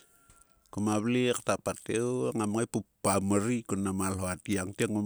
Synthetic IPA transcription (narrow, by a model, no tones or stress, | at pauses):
kumaβliaktapateuaŋamŋajpupːamaɾikunamalɦoatiaŋtiaŋam